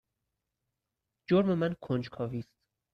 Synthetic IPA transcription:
d͡ʒoɾme̞mænkʰond͡ʒkʰɒːviːst̪

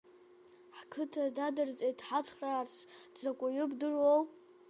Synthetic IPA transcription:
ħkʰɨtʰadadɨrt͡sʼedħat͡sʰʼχrart͡sʰd̥zakʷʼʊɥʊbdɨrow

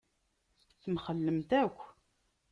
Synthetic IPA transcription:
θəmχəlːəmt̪ækʷː

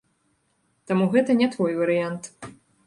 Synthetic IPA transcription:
t̪amuɣɛt̪ɐnʲɛt̪vɔjvɐɾɨjant̪

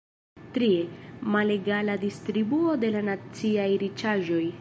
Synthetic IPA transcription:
tɾiemale̞ɡaladistɾibuo̞de̞lanat͡siajɾit͡ʃaʒo̞j

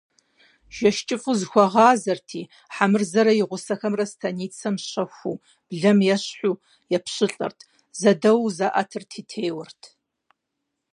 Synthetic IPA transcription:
ʒ̥ɐʃt͡ʃʼɪfʼuzxʷɔʁɑːzɐrtʰiː | ħamɨrzɐɾɐjɪʁʷʊsɐxɐmrɐstʰɐniːt͡sʰɐmɕɐxʷṵː | b̥ɮɐmjɛɕħʷuː | jɛpʰɕɪɬʼɐ̰rtʰ | zɐdɐwzaʔɐ̰tʰɨrtʰiːtʰeːwɐrtʰ

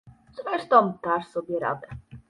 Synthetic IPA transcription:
z̥ɾɛʂt̪ɔ̃mt̪aʂsɔbʲjɛɾa̰d̪ɛ

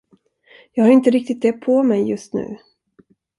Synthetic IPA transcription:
jɑːɡhaɾɪnt̪əɾɪk̚t̪ɪt̪̚d̪ɛpʰɔmɛjːɵst̪nʉ̟̰ː

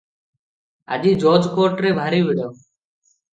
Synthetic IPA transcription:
a̰d͡ʒiːd͡ʒoːd͡ʒkoːʈɾeːbʱaːɾiːʋɪɽoː

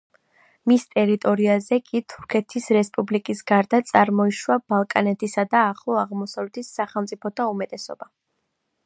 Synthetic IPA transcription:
mist̪ʼɛɾit̪ʼɔɾiazɛkʼit̪ʰu̥ɾkʰɛt̪ʰisɾɛspʼublikʼisɡaɾd̪at̪sʼaɾmɔiʃwab̥alˠkʼanɛt̪ʰisad̪aːχlˠɔaʁmɔsavlɛt̪ʰisːaχɛlˠmt̪sʼipʰɔt̪ʰaumɛt̪ʼɛsɔ̰ba

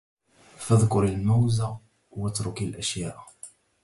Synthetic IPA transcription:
faðkʊɾˤalmawza | wət̪ɾʊkalʔæʃjaːʔ

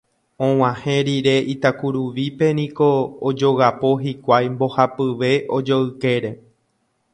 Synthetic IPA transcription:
õ̞w̃ãhẽ̞ɾiɾe̞ʔit̪akuɾuʋipe̞nĩko̞ːd͡ʒo̞ɣapo̞ɦikʷajmbo̞hapɨʋe̞ʔod͡ʒoɨke̞ɾe

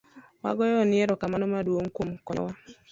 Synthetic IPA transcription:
wa̰ɡɔjɔnɪeɾɔkamanɔmadwoŋ̩komkɔ̰wa

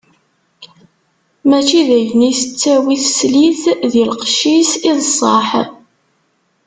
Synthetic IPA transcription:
mæt͡ʃːiðæʝnisət͡sːæwiθsliθðilqʃisiðsˤːɑħ

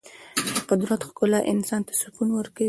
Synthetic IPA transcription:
d̪əqʊd̪ɾat̪xkʊlaʔɪnsɑnt̪ḁsʊfunwəɾka

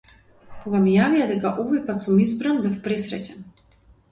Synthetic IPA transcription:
koɡamijavijad̪ɛkaʔɔvɔjpat̪sɔmizbɾanbɛfpɾɛsɾɛ̰cɛn

